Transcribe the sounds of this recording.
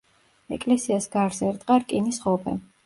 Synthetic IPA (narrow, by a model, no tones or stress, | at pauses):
ɛ̰kʼlɛsiasɡaɾzɛɾt̪ʼqʼaɾkʼinisχɔpʰɛ̰